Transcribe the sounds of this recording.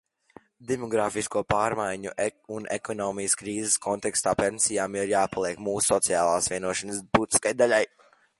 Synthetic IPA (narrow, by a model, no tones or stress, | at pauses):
d̪ɛmɔɡɾaːfiskuɔpaːɾmajɲuʔunʔɛ̰kɔnɔːmijəskɾiːzeskʰɔnt̪ɛkst̪aːpensijaːmiɾjaːpalˠiɛkmuːsu̥sɔt̪sijaːlˠaːsvʲiɛnuɔʃanəsbuːt̪i̥skajd̪aʎaj